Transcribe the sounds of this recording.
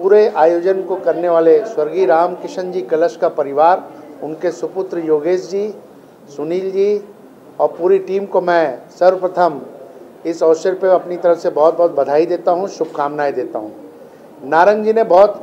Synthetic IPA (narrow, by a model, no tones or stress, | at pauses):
puːɾeʔaːjoːd͡ʒənkokɐɾneʋaːleswɐɾɡiɾaːmkɪʃə̃nd͡ʒiːkɐləʃkapɐɾɪʋaːɾʊnkesʊpʊt̪ɾəjoːɡeːsd͡ʒiː | sʊniːld͡ʒiː | ɔːɾpuːɾiʈiːmkomɛ̃sɐɾpɾɐt̪ʰəm | ɪsɔːʃəɾpeɐpnit̪ɐɾəfsebɔːt̪̚bɔːt̪̚bɐd̪ʱaːid̪eːt̪aɦũʃʊb̚kaːmnaːid̪eːt̪a̰ɦũː | naːɾə̃ŋɡd͡ʒinebɔːt̪